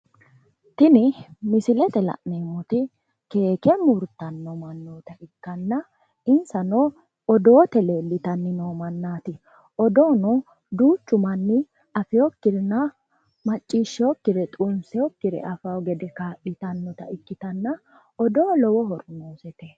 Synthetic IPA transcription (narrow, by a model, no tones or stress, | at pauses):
t̪ɪnɪmɪsɪlɛt̪ɛlɐ̰ʔneːmːɔt̪ɪ | ke̞ːkɛmuɾt̪ːɐnːɔmɐnːoːt̪ɐʔɪkːɐnːɐ | ɪnsɐno | ɔd̪oːt̪ɛle̞ːlːɪt̪ɐnːɪnoːmɐnːaːt̪ɪ | ɔd̪o̞ːnɔ | d̪uːt͡ʃːʊmɐnːɪ | ɐfɪjɔkːɪɾnːɐ | mɐt͡ʃʼːiːʃːɪɔkːɪɾɛt̪ʼuʊnsɛjɔkːɪɾɛ̰ʔɐfɐwɡɛd̪ɛkaːʔɪt̪ɐnːɔt̪ɐɪkːɪt̪ɐnːɐ | ɔd̪o̞ːlɔwɔhɔɾnoːsɛt̪ɛ